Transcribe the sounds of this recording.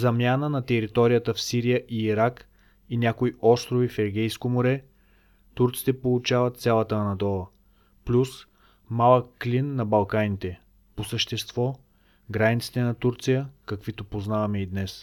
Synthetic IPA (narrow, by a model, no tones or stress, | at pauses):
zɐmjanənɐt̪ɛɾit̪ɔɾijət̪əfsiɾijəʔiːɾak | inʲakoiɔst̪ɾovifɛɾɡʲɛjskomoɾɛ | t̪uɾt̪si̥t̪ɛpolˠut͡ʃavət̪sʲjalˠət̪ənɐd̪ɔlˠə | plʲus | malˠəkːlʲinːɐbɐlˠkanit̪ɛ | posəʃt̪ɛst̪vɔ | ɡɾanit̪si̥t̪ɛnɐt̪uɾt̪sijəkɐkvit̪opoznavɐmɛid̪nɛs